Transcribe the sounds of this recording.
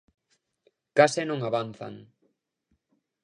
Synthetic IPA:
kasenõŋaβanθa̰ŋ

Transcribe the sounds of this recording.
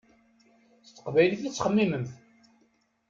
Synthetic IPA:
θt̪ːə̥qvæjləθæt͡sːχəmːiməmθ

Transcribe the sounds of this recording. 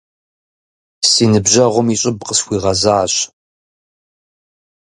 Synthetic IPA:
siːnɨbʑɐʁʷʊmiɕʼɪbqəsxʷiːʁɐzaːɕ

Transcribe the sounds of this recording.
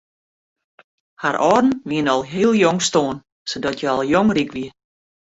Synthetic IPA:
haɾʔɔːdn̩ʋiənɔlˠɦiəlˠjoŋstoːən | sodɔtjəɔlˠjoŋrikʋi

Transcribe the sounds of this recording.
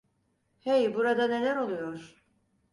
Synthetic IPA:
hejbuɾad̪ane̞lʲæɾo̞lˠujoɾ̥

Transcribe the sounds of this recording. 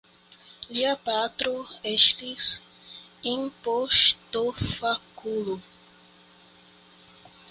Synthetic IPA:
liapat̪ɾoeʃt̪is | ĩŋpoʃt̪ofakulu

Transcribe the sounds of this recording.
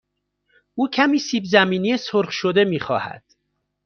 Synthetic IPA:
ʔuːcʰæmiːsiːbzæmiːniesoɾχʃod̪e̞miːxɒ̰ːhæ̰d̪̥

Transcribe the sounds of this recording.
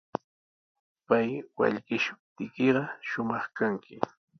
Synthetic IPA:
pajwa̰ʎɢɪʃʊ̥p̚t̪ɪkɪɢɑʃʊmɑχkaŋkʰɪ

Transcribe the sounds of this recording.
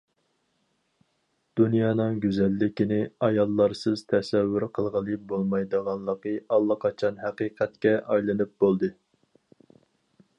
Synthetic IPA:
d̪̥unjɑːnɨŋɡʲyzɛlːɪkʲinɪɑjɑlˠːɑɾsɨz̥t̪ʰɛsɛvːyɾqʰəlˠʁəlˠɨbolˠmɑjd̪əʁɑnlˠəqəʔɑlˠːəqʰɑt͡ʃʰɑnɦæqiːqʰæt̪kʲɛʔɑjlˠɨnɨp̚b̥olˠd̪ɨ

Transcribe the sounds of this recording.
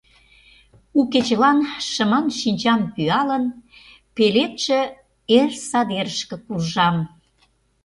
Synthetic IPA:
uket͡ɕəlɑnʃə̆mɑnʃinʲt͡ɕɑnpyɑlən | pelet̪ʃĕ | ersɑd̪eɾəʃkə̆kurʒɑm

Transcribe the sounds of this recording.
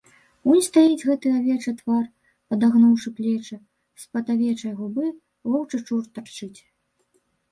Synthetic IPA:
unʲst̪ajid͡zʲɣɛt̪ɨavʲɛt͡ʂɐt̪var | pɐd̪aɣnɔwʂɨplʲɛt͡ʂɐ | spɐd̪avʲɛt͡ʂɐjɣubɨ | vɔwt͡ʂɐt͡ʂurt̪art͡ʂɨt͡sʲ

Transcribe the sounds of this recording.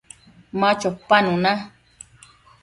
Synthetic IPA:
mãt͡ʃopanũnã

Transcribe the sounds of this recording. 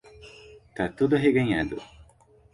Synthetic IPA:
t̪ɐt̪ud̪ɐɦiɡeŋæ̰d̪ṵ

